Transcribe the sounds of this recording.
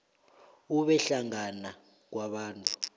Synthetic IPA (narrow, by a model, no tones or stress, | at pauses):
uɓɛɬaŋana | k̬waɓaːntʼu̥